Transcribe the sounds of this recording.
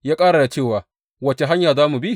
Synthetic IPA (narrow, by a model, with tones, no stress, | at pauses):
jaː˦kʼaː˦ɽa˨da˨t͡ʃeː˦˨waː˨ | wɐ˦t͡ʃe˨ɦa˦ɲjaː˨zaː˦mu˨bi˦